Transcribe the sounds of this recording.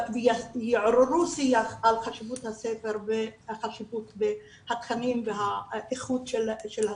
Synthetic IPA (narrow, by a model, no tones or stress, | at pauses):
vejiʕɾeɾusijaχalχaʃivut̪hasefeʁbeχaʃivut̪be | hat̪χanimveɦaʔiχud̪ʃelʃelha